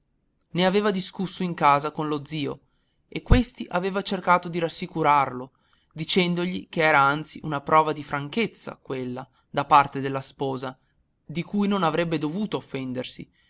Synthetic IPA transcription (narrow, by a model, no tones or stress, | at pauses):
neaveːvad̪iskusːoiŋkaːzakonlod̪ziːo̰ | ekːwest̪iʔaveːvat͡ʃerkaːt̪od̪iɾasːikuɾarlo | d̪it͡ʃɛnd̪oʎikeɛːɾaant̪siʔunapɾʔɔːvad̪ifɾaŋket̪sːa̰kwelːa | d̪apart̪ed̪elːaspɔːza | d̪ikujnonavɾɛbːed̪ovuːt̪oːfːɛnd̪ersḭ